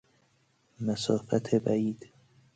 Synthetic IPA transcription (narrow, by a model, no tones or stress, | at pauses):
mæsɒːfæt̪ʰebæiːd̪̥